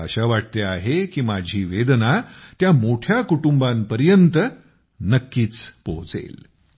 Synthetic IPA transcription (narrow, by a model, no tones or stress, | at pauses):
a̰ɕaʋaʈ̚t̪eaɦekiːmad͡ʑʱiːʋed̪nat̪jamoʈʰjakuʈumbãnpəɾjənt̪ə | nəkːiːt͡spoɦt͡sḛl